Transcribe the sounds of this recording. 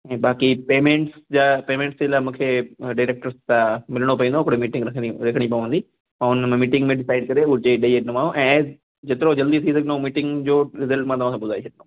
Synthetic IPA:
ɛ̃ːbaːkipeːmẽɳʈsd͡ʑapeːmẽːɳʈsd͡ʑelaːmũːkʰeɖaːɾeːk̚ʈəɾst̪ãmɪlɽ̃opɐʋĩːnd̪oʊkɽemiːʈɪ̃ŋɡɾɐkʰɾɐkʰəɽ̃ipɐʋə̃nd̪ĩ | ʊnm̃miːʈɪ̃ŋɡmẽɖɪsaːɪɖ̚kɐɾeʊt͡ɕeɗeeɖnomaːõʔɛ̃ː | d͡ʑet̪ɪɾod͡ʑɐld̪it̪ʰis̬ɐɡnomiːʈɪ̃ŋɡd͡ʑoːɾɪzəlʈmãt̪ɐʋãsãɓʊd̪ʱaːet͡ʃʰɐʈ̚no

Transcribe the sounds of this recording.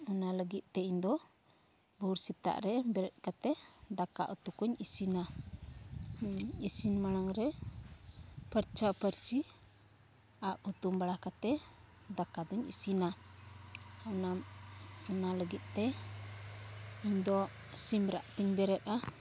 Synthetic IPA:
unaləɡit̪̚ˀt̪ɛiɲd̪ɔ | buɾsit̪a̰ʔɾɛbɛɾɛt̪̚kat̪ɛd̪aka̰ʔut̪ukuɲisina | isinmanaŋɾɛ | pəɾt͡ʃapəɾt͡ʃi | aʔ̚hut̪umbaɽakat̪ɛ | d̪akad̪ɔɲḭsina | ɔnamɔnaləɡit̪̚ˀt̪ɛ | iɲd̪ɔ | simbɾa̰ʔt̪iɲbɛɾɛt̪̚a

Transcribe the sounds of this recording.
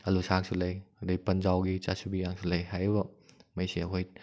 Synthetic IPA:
ɐlusaksʰulɐjɐdɐpɐnd͡ʒawɡit͡ʃasubijaŋsulɐjɦajβɐmɐjsiɐkʰoj

